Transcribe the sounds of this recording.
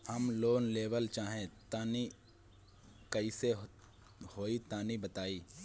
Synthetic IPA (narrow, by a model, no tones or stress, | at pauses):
hɐmloːnleːʋəlt͡ʃaːɦẽt̪aːni | kɐise | hoːit̪aːnibət̪aːiː